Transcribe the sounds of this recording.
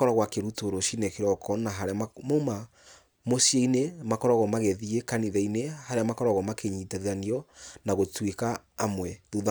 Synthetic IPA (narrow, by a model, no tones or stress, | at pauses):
kɔɾaɣwakeɾutoɾoʃinekeɾɔkʰɔnaɦaɾaamoma | mosieinemakɔɾaɣɔmaɣɛðiekaniðɛinehaɾeamakɔɾaɣɔmakeɲitaðaniɔnaɣotwekaːmwɛðuð